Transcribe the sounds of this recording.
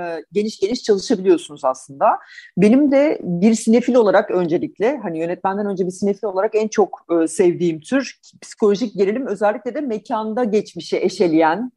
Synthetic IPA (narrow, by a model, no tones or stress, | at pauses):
ɟe̞niʃɟe̞niʃt͡ʃʰalˠɯʃabilʲijo̞sunuzaslˠɯnd̪abe̞nimd̪ɛbiɾsinefilʲo̞lˠaɾakø̞nd͡ʒe̞lʲiclʲɛɦanijø̞nɛt̪̚mænd̪ænø̞nd͡ʒɛbiɾsinefilʲo̞lˠaɾakænt͡ʃʰo̞kɯːsɛvd̪iːmt̪ʰyɾ | pʰi̥si̥kʰo̞lʲoʒic̚ɟeɾelʲimø̞zɛlʲːiclʲɛd̪ɛmecʰand̪aɟɛt͡ʃmiʃɛʔeʃe̞lʲijæn